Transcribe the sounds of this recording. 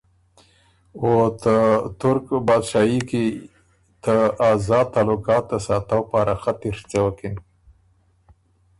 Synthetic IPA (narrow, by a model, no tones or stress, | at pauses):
ot̪ət̪ʊɾkbɑd̪ʃɑjiki | t̪əazɑd̪̚t̪ɑlʊkɑt̪ːasɑt̪awpɑɾaxat̪iɾt͡sawəkin